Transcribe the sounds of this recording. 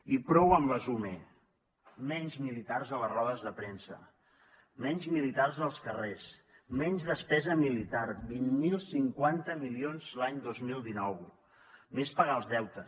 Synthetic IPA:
ipɾɔwəmləzume | mɛɲzmilit̪arzələrɔðəzðəpɾensə̰ | mɛɲzmilit̪arzəlˠskəres | mɛɲzðəspɛzəmilit̪aɾbinmilˠsiŋkwant̪əmilionzlaɲd̪ozmilˠd̪inɔw | mespəɣalˠzðɛwt̪ə

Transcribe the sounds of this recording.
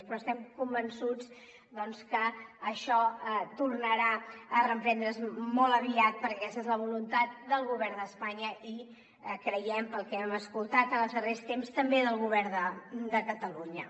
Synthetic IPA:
pɾɔst̪ɛmkumbənsud͡z | d̪ɔnskəːʃɔət̪urnəɾaərəmpɾɛnd̪ɾəzmɔlˠəβiat̪̚pəɾkɛsezləβ̞ulunt̪at̪̚d̪əlˠɣuβɛɾnd̪əspaɲəi | kɾəjɛmpəlˠkɛməskulˠt̪at̪əlˠzðərest̪emst̪əmbeðəlˠɣuβɛɾd̪əd̪əkət̪əluɲə

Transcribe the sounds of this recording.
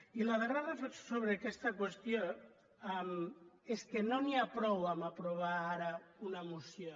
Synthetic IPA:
ilaðeraðafesoβɾeakɛst̪akwest̪jo | ameskenoniapɾɔwamapɾoβ̞aaɾaunamusjo

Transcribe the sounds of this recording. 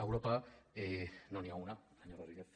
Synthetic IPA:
ewɾopaenoniaunasaɲoɾeriðe

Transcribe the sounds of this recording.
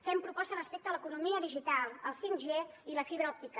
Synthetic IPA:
fɛmpɾupɔst̪ərəspek̚t̪ələkunumiəðiʒit̪alˠəlˠsiŋʒeiləfiβɾɔp̚t̪ikə

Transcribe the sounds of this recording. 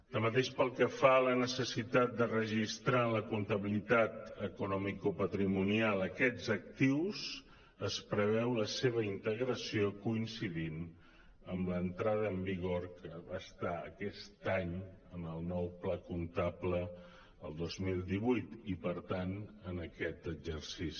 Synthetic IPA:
d̪̥əmət̪eʃpəlˠkəfalənəsəsit̪at̪̚d̪ərəʒist̪ɾanləkunt̪əβilit̪at̪əkunɔmikupət̪ɾimunialˠəkɛd͡zək̚t̪iwz | əspɾəβ̞ɛwləseβ̞əint̪əɣɾəsiokuinsiðin | əmlənt̪ɾað̞əːmbiɣoɾkəβaəst̪aə̰kɛst̪aɲənəlˠnɔwplakunt̪aplə | ə̰lˠd̪ozmilˠd̪iβujt̪ipəɾt̪anənəkɛt̪əɡzəɾsis

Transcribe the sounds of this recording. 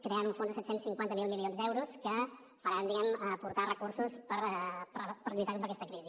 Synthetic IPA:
kɾeanunfonzðəsɛt̪sensiŋkwant̪əmilˠmilˠionzðd̪ɛwɾuskə | fəɾand̪iɣɛməpuɾt̪arəkursuspəɾpɾpəɾʎit̪akombɾəkɛst̪əkɾizi

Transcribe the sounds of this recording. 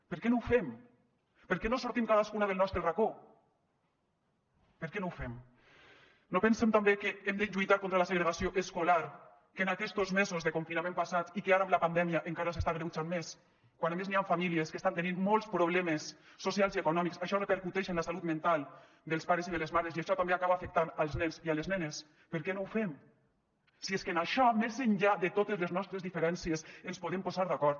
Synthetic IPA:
peɾkɛnowfɛm | peɾkɛnosuɾt̪imkaðaskunaðelnɔst̪ɾerako | pəɾkɛnowfem | nopensemt̪ambekeemd̪enʒujt̪aɾkont̪ɾalaseɣɾeɣasioʔeskolaɾ | kenakɛsd̪ozmezozðekoɱfinamẽmpasat̪ikeaɾamlapand̪ɛmiaʔeŋkaɾasest̪aɣɾewt͡ʃanmes | kwanamezniaɱfamilieskest̪ant̪eninmolˠspɾoβ̞lɛmesːosjalˠziekunɔmiksaʃɔrəpeɾkut̪ɛʃenlasalut̪mẽnt̪alˠ | d̪elˠspaɾeziðelezmaɾeziaʃɔt̪ambeakaβafek̚t̪analˠznɛnzialeznɛnes | pəɾkɛnowfem | sieskenaʃɔmezenʎaðet̪ot̪ezleznɔst̪ɾezðifeɾɛnsiesenspoðempozaɾðakɔɾt̪̚

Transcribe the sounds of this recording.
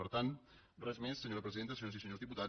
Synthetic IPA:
əɾt̪an | rɛzmesːəɲoɾəpɾəziðent̪əs̬jonzisəɲozðiput̪a

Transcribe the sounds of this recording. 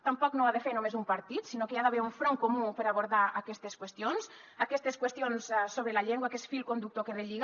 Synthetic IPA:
t̪ampɔknoaðefeɾnomezumpaɾt̪it̪sinokeaðaβeɾuɱfɾoŋkomupeɾaβoɾðaakɛst̪eskwest̪ions | akɛst̪eskwest̪ionssoβɾelaʎeŋɡwakɛsfilkond̪uk̚t̪okereʎiɣ

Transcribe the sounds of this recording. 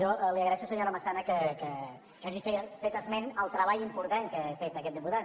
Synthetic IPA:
ɔliəɣɾəɾɛʃusəɲoɾəməsanəkəkə | kaʒifefet̪əzmɛnəlˠt̪ɾəβaʎimpuɾt̪aŋkəefet̪əkɛt̪̚d̪iput̪at̪

